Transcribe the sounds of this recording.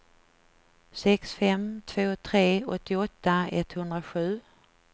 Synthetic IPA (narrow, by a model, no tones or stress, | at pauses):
sɛksfɛmt̪ʰvoːt̪ʰɾeːɔt̪ːɪɔt̪ːaɛt̪hɵnd̪ɾaɧʉ̟ː